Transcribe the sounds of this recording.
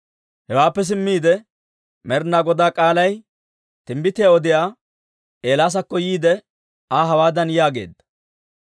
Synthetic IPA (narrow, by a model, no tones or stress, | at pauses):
hɛwaːpːɛs̬ɪmːiːd̪ɛ | mɛɾnaɡɔd̪aːkʼaːlɐj | t̪ɪmbɪt̪ɪjaɔd̪ɪjaː | e̞ːlaːs̬ɐkːɔjiːd̪ɛ | aɦɐwaːd̪ɐnjaːɡe̞̰ːd̪ɐ̥